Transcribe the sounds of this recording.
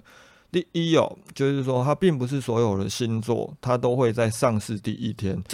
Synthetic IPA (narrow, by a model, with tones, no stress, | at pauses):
t̪i˥˨i˦o̰˨˩t͡ɕjo˥˧ʊʂɻ̩˥˨s̬wɔ˦˥t̪ʰa˦pi˥˩ŋpu˨˦ʂ̬̩˥˩swɔ˧˥jo˨˩ʊd̪ə˨ɕi˦˥nt͡swɔ̰˥˨t̪ʰa˦t̪o˥ʊxwe˥˧ɪt͡sa˥˧ɪʂɑ˥˧ŋsɹ̩˥˧t̪i˥˨˩ʔi˦t̪ʰjɛ˦n